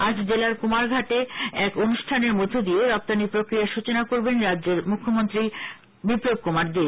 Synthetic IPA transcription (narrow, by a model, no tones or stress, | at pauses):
ad͡ʑd͡ʑelaɾkomaɾɡʱaʈeɛkonuʃʈʰaneɾmod̪ʱːod̪ieɾɔp̚t̪anipɾokɾijaʃut͡ɕonakoɾbenɾadːd͡ʑeɾmukʰːomont̪ɾi | bipɾob̚komaɾd̪e